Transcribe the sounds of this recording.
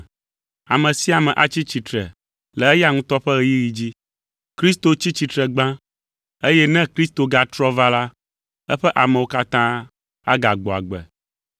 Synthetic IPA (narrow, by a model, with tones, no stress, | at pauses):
a˨mɛ̃˨si˦a˨mɛ̃˨ʔa˦t͡ɕi˦t͡ɕi˨t̪ɾɛ̰˨ | lɛ˨ɛ˦ja˦ŋũ˦t̪ɔ˦ɸɛ˦ɣɛ˦ji˦ɣi˨d͡ʑi˦ | kɾi˦st̪o˦t͡ɕi˦t͡ɕi˨t̪ɾɛ˨ɡ͡bã˦ | e˦jɛ˦nɛ̃˦kɾi˦st̪o˨ɡa˨t̪ɾɔ˦va˦la˦ | ɛ˦ɸɛ˦ʔa˨mɛ˨wo˦ka˦t̪ã˦ | a̰˦ɡa˨ɡ͡bɔ˨a̰˨ɡ͡bɛ̰˨